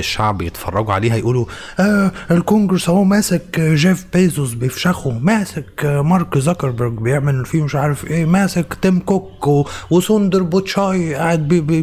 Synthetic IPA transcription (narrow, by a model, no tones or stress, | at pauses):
ɪʃːaʕbjɪt̪fɑ̰rˤːɑɡuʕa̰leːɦajʔuːlu | ʔaɪlkʊŋɡɪɾsawaːmaːsɪkʒeːfbeːzʊzbɪfʃaxumaːsɪkmɑɾˤkzakɑɾˤbʊɾɡbjɪʕmɪlɪlfiːmɪʃʕaːɾˤɪfʔeːmaːsɪkt̪ɪmkʊkːwʊsuːnd̪ɪɾbʊt̪ʃaːjʔaʕɪd̪̚bibi